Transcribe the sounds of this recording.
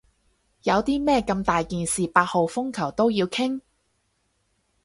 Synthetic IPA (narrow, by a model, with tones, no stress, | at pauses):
jɐ˨˧wt̪iː˥mɛː˥kɐ˧mt̪aː˨jkiː˨nsiː˨paː˧t̚ho˨˧wfʊ˥ŋkʰɐ˨˩wt̪o˥wjiː˧wkʰɪ˥ŋ